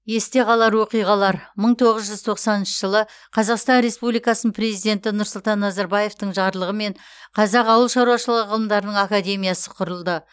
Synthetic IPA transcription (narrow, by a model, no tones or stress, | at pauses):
je̞st̪e̞ʁɑlˠɑɾwo̞qijʁɑlˠɑɾməɴt̪ʰo̞ʁəzʒʏzt̪ʰo̞qsɑnənʃəʒəlˠə | qʰɑzɑqst̪ɑnɾe̞spublijkɑsənpʰɾe̞zijd̪ʲe̞nt̪ɪnʊɾsʊlˠt̪ɑnːɑzɑɾbɑje̞ft̪əɴʒɑɾlˠəʁəme̞ɴ | qʰɑzɑqɑwəlˠʃɑɾuɑʃəlˠəʁəʁəlˠəmd̪ɑɾənəɴakad̪ʲe̞mʲijasəqʰʊɾəlˠd̪ə